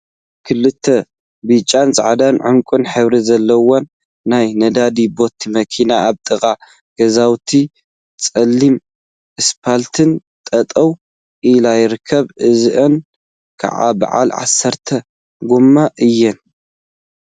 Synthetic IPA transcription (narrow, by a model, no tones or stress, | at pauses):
kʰɨlːɨt̪ʰːɐ | bit͡ʃʼːanzʼa̰ʕd̪anʕɨmkʷʼɨnħɨβɾizɐlːɐwonː | ajnɐd̪ad̪ibo̞t̪ʰːimɐkʰinaːβt̪ʼɨkʼa | ɡ̥ɐzawt̪ʰi | t͡sʼɐlːim | ʔɨspʰalt̪ʰɨn | t̪ʼɐt̪ʼɐw | ʔilajɪɾɨkʰːɐβʕɨzɨʔɨn | kʰa̰ʕa̰ba̰ʕa̰lʕa̰sːɐɾt̪ʰɐ | ɡumːaʔɨjːɛn